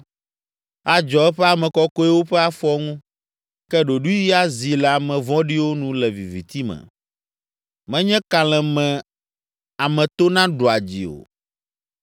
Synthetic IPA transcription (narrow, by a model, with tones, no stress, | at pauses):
a˨d͡ʒɔ˨ɛ˦ɸɛ˦a˨mɛ̃˨kɔ˦kɔ˦ɛ˦wo˦ɸɛ˦a˦fɔ˦ŋũ˦ | kɛ˦ɖo˨ɖu˦i˦ji˦a˦zi˨lɛ˨a˨mɛ̃˨vɔ̃˦ɖi˦wo˦nũ˦lɛ˨vi˨vi˨t̪i˦mɛ̰̃˨ | mɛ̃˦ɲɛ̃˦ka˨l̃ɛ̃˨mɛ̃˨ | a˨mɛ̃˨t̪o˦nã˦ɖo˨a˨d͡ʑḭ˨o̰˨